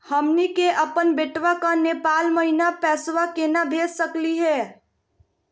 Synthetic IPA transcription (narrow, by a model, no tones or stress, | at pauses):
həmnikeʔəpənbeʈʋakanepalməɦinapɛsʋakenabʱessəkliɦɛ